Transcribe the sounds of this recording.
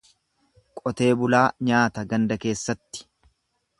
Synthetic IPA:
kʼɔt̪e̞ːbʊlaːɲaːt̪ɐɡɐnd̪ɐke̞ːsːɐt̪ːɪ̥

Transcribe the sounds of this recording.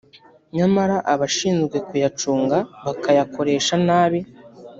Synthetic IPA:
ɲamaɾaʔaβaʃiːnzɡwe̞kujat͡ʃuːŋɡaβakajako̞ɾe̞ːʃanaːβi

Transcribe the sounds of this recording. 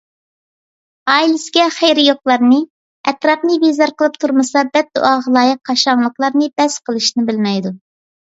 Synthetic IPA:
ɑːilɪsɪɡʲɛχejɾɪjoq̚lˠɑɾnɨ | ɛt̪ɾɑpnɨbezɑɾqʰəlˠɨp̚t̪ʰuɾmɨsɑbɛt̪̚d̪ṵʔɑʁəlˠɑːjɨq̚ʰːɑʃɑŋlˠəqlˠɑɾnɨbɛsqʰəlˠɨʃnɪbɪlmɛjd̪u

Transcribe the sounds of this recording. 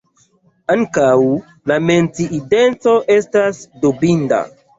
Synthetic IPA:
aŋkaw | lame̞nt͡siʔːde̞nt͡so̞ʔe̞stasdobinda̰

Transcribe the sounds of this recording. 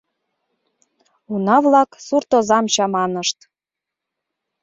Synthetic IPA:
unɑβlɑksurt̪ozɑmt͡ɕɑmɑnəʃt̪

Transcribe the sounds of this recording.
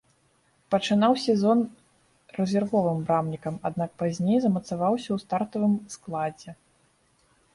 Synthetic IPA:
pɐt͡ʂɨnawsʲɛzɔn | rɛzʲɛrvɔvɨmbɾamnʲikɐmad̪̚nak̚pazʲnʲejzɐmɐt̪savawsʲɐwst̪art̪ɐvɨmsklˠad͡zʲɛ

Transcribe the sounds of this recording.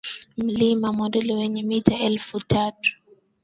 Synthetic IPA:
m̩limamɔdɛliwɛɲɛmitaɛlfutatu̥

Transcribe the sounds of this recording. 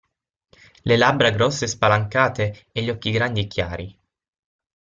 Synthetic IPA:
lelabɾaɡɾɔsːespalaŋkaːt̪e | eʎːɔkːiɡɾand̪iekːjaaːɾi

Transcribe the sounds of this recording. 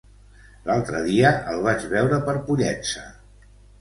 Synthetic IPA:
lalˠt̪ɾəðiəəlˠβ̞ad͡ʒβɛwɾəpəɾpuʎɛt͡sə

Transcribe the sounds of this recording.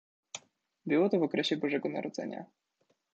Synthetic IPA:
bɘwɔt̪ɔvɔkɾɛɕɛbɔʐɛɡɔna̰ɾʔɔd̪zɛ̰ɲa̰

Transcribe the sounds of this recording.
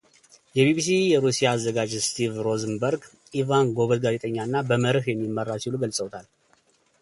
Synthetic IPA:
jɛbibis̬ijɛɾusijaːzːəɡad͡ʒst̪ʰivɾoznbəɾɡ | ivanɡo̞βəd̪ɡazet̪ʼəɲːanːabəməɾɨhjɛmːimːərːasiluɡəlsʼəwt̪ʰal

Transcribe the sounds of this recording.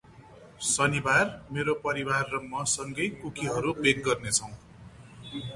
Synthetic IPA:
sʌnibarmeɾopʌɾibarːʌŋmʌsʌŋɡʌjkukʰiɦʌɾubeɡ̚ːʌrnet͡sʰʌw̃

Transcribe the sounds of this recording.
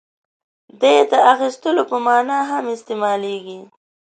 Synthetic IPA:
d̪ed̪əaxist̪əlopəmɑnɑɦamɪst̪emɑleɡi

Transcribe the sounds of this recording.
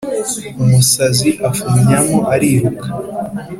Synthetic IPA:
umusaziʔafumɲamoʔaɾihukḁ

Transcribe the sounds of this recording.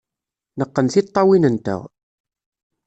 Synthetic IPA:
nəqːənθit̪ˤːɑwinənt̪ə̰ʁ

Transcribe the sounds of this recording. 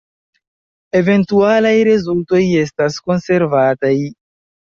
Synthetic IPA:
e̞ve̞ntualajɾezulto̞je̞stasko̞nse̞ɾvataj

